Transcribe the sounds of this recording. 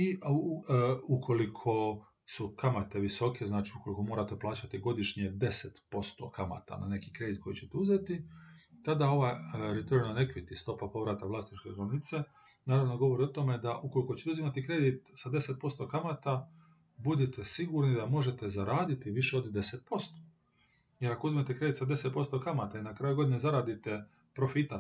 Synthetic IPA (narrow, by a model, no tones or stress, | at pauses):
i | ukʰo̞likʰo̞ | sukamat̪e̞ʋiso̞kʰe̞znaːt͡ʃiuko̞liko̞mo̞ːɾat̪e̞plˠaːt͡ɕat̪iɡo̞d̪iʃɲed̪e̞set̪po̞st̪o̞̰kama̰t̪a̰na̰ne̞kikɾe̞d̪it̪̚ko̞jit͡ɕet̪euzet̪it̪ad̪ao̞ʋajɾet̪oɾinanekʋit̪ist̪o̞papo̞ʋɾat̪aʋlˠast̪it͡ʃkeɡɾonnit̪se | naːɾaʋnoɡo̞ʋo̞ɾio̞t̪ome̞d̪aʔuko̞liko̞t͡ɕe̥t̪euzimat̪ikɾe̞d̪it̪sad̪e̞set̪̚po̞st̪o̞kamat̪a | bud̪it̪esiɡuɾnid̪amo̞ʒe̞t̪e̞zaɾaːd̪it̪iʋiʃeo̞d̪d̪e̞set̪̚po̞st̪o | jeɾakouzimet̪ekɾe̞d̪it̪sad̪e̞set̪̚po̞st̪o̞kamat̪ainakɾaːjuɡo̞d̪inezaɾaːd̪it̪e̞ | pɾo̞fit̪a